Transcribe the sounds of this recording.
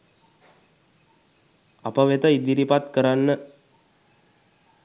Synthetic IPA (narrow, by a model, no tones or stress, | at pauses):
a̰pəʋet̪əid̪iɾipat̪kəɾanːə